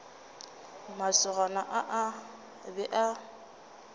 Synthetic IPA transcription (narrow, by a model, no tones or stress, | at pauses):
masʊɣanaʔaʔa | bɛʔa